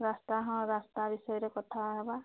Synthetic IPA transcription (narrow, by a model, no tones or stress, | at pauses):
ɾast̪aɦɔ̃ɾast̪abisɔjɔɾekɔt̪ʰalaɡaba